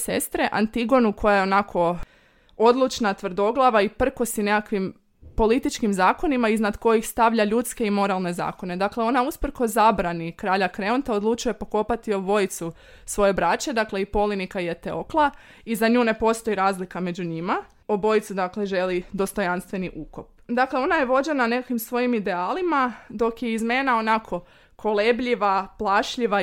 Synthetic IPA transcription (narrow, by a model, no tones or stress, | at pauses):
se̞̰st̪ɾe̞ʔa̰nt̪iɡo̞nukʰo̞jajeo̞nakʰo̞ | o̞d̪lˠut͡ʃnat̪ʋr̩d̪o̞ɡlˠaʋaipr̩kosine̞kakʋim | po̞lit̪it͡ʃkimzaːko̞nimaiznad̪ko̞jixst̪aʋʎaʎut̪ske̞imo̞ɾalˠne̞za̰ːko̞ne̞d̪akle̞o̞nauspr̩ko̞zabɾanikɾaːʎakɾe̞ont̪aod̪lˠut͡ʃuje̞po̞ko̞pat̪io̞bo̞jit̪su | sʋo̞je̞bɾat͡ɕe̞d̪akle̞ipo̞linikajet̪eoklˠa | izaɲuːne̞po̞st̪o̞iɾaːzlikamed͡ʑuɲima | obo̞jit̪sud̪akle̞ʒe̞lid̪o̞st̪o̞janst̪ʋe̞niʔuːko̞p̚d̪akle̞o̞najeʋo̞d͡ʑe̞nane̞kakimsʋo̞jimid̪e̞aːlimad̪o̞kje̞izme̞nao̞nakʰo̞ | kʰo̞lebʎiʋaplˠaʃʎiʋa